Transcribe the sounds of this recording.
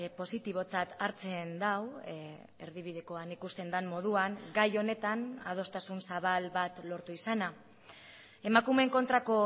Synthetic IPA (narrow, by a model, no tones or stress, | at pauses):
po̞sit̪iβ̞o̞t͡sat̪aɾt͡se̞nd̪aw | e̞ɾðiβiðe̞ko̞anikust̪e̞nd̪anmo̞ð̞uaŋɡajo̞ne̞t̪ana̰ð̞o̞st̪asunsaβalβat̪lo̞ɾt̪uisana | e̞makume̞ŋko̞nt̪ɾako̞